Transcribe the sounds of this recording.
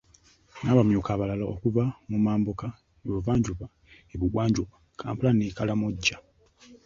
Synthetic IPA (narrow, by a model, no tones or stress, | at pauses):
naːβamjukaːβalalaokuvamumaːmboka | eβuvaːɲɟuβa | eβuɡwaːɲɟuβa | kʰa̰ːmpulanikalamoɟːa